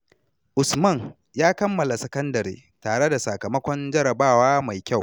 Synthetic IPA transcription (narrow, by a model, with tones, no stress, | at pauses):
ʔʊ˨smɐ˦˨ŋ | jaː˦kɐ˦mːɐ˨la˨sɐ˦kɐ˦ndɐ˨ɾḛː˦ | taː˨ɽe˦da˨sa˨kɐ˨mɐ˦kʷɔ˦nd͡ʒɐ˦ɾɐ˨baː˦˨waː˦ma˨jkʲa˦˨w